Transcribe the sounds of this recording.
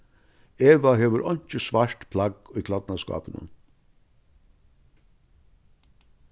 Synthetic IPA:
eːʋaɦeːʋəɾʔɔnt͡ʃəsʋɑɹt̪pʰlɑɡiːkʰlɑd̪nɑskɑ̰ːpənə̰n

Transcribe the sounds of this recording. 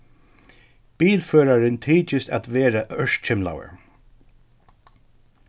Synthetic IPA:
b̥iːlføːɾaɹɪnt̪ʰiːt͡ʃɪsa̰t̪ʋɛːɹaʔœʂ̚t͡ʃʰɪmla̰wə̰ɹ

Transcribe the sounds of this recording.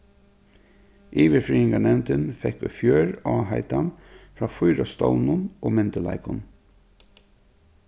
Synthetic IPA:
ʔiːʋɪɾfɾiːɪŋkanɛmnt̪ɪnfɛkːʊfjœːɹɑːɦaɪt̪anfɹaːfʊjɾast̪ɔwnʊnoːmɪnt̪əla̰ɪkʊn

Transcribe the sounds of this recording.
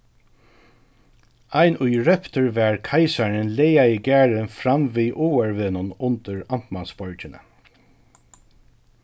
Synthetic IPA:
ajnʔʊjɹɛpt̪əɹʋɛɹkʰajsaɹɪnlɛjaiɡæːɹɪnfɾamʋiːʔuːɛɹʋɪːnʊnʊnt̪əɹam̥t̪mansbɔɹcɪnə̰

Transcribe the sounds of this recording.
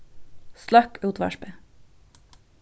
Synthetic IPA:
slɑkʉːt̪ʋɑ̰ʃpe

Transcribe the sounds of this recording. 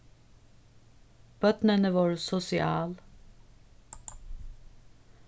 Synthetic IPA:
b̥œt̪nənəʋoːɹsʊsɪʔɑːl

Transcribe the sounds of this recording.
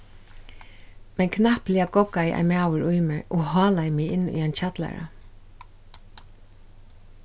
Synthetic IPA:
mɛnkʰnahpliːaɡɔkajʔa̰jmaːwəɹʊjmɪʔoːhɔːlajmɪːɪnːʊ̰jant͡ɕat̪la̰ɹa̰

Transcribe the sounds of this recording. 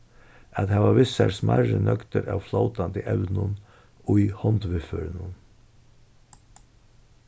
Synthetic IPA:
ʔɑt̪hæːʋɑːɾʋɪsæɾsmʔaɾənʔœkt̪əɾaːʋflaʊt̪ant̪ʰɪʔɛʋnʊn | oːiːhɔnt̪ʋɪføːɾɪnʊn

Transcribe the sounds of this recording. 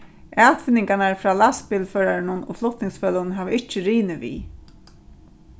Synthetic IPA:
æːlt̪fɪnːɪŋkanaɹfɾaːlaspɪlfœːɾaɾɪnʊnɔ̰flʊht̪nɪŋsfœːlʊnɦæːʋəɪht͡ʃːɪɾiːnɪvḭː

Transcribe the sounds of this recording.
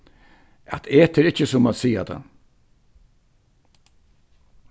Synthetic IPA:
a̰t̪ʰeːt̪ʰɪɾɪhcːəsʊmasiːa̰t̪ʰa̰n

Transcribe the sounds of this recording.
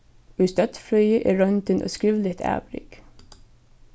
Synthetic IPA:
ʉːst̪œt̪flœʏəʔeːɹœnd̪ənʔo̰ːskɹiʋlɪt̪ʰæ̰ːbɾɪ̰k

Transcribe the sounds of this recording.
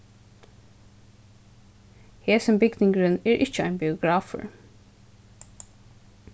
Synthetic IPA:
heːsəmbɪɡnɪŋɡɹənɛːɹʔɪçəɑ̰ɪnbɪʊɡɹɑːfə̰ɹ

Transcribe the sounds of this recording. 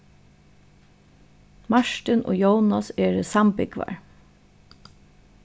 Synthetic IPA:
maʃt̪ɪnʔo̰ːjownasɛːɹəsampɪkʋa̰ɹ

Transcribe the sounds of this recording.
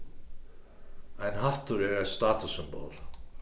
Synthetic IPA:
ajnɦaht̪uɾɛɾɛst̪aːt̪usʏmbo̰wl

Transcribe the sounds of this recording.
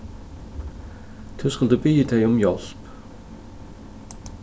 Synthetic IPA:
t̪ʰʉskalˠd̪ubiːd̪eɪɔmjɔlp

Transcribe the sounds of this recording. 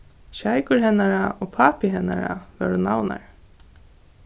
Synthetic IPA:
ʃajkʊɹɦɛnːaɾaɔːpʰaːpɪɦɛnaɾa̰vɛ̰ːɾʊnawna̰ɹ

